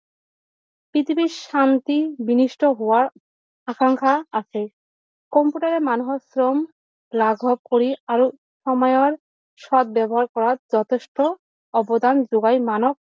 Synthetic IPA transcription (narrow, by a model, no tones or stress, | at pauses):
pit̪ʰipiʃant̪ibiniʃʈoɦowaɾ | akaŋkʰaat͡ɕʰe | kɔmpuʈaɾemanoɦosɾom | laɡʱɔb̚koɾiaɾo | ʃɔmɔjoaɾ | ʃɔd̪̚bɛboɦaɾkɔɾaɾd͡ʑɔt̪ʰeʃʈo | ɔbod̪and͡ʑoɡajmanok̚